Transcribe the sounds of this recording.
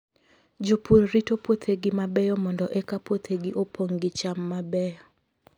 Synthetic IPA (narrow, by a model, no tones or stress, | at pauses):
d͡ʒopoɾɾitopwot̪ʰeɡɪmabɛjɔmɔndɔʔɛkapwot̪ʰeɡɪʔopʰoŋɡɪt͡ʃamːabɛjɔ